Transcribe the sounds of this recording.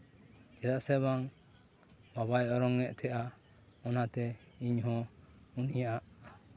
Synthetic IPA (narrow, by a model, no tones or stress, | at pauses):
d͡ʒɛd̪aʔsɛβaŋ | babajɔɾɔŋːɛʔt̪ʰɛʔa | ɔnat̪ɛ | iɲɦɔ̃unijaʔaʔ